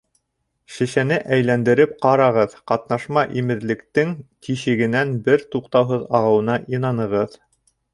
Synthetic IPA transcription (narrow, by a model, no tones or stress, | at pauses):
ʃɘ̆ʃænɘʔæjlænd̪ɘ̆ɾɘp̚qɑɾɑʁɤðqɑt̪nɑʃmɑʔimɘ̆ɾlɘ̆kt̪ɘŋt̪iʃɘ̆ɡɘ̆nænbɘɾt̪uqt̪ɑwɦɤðɑʁɤ̆wɤ̆nɑʔinɑnɤ̆ʁɤð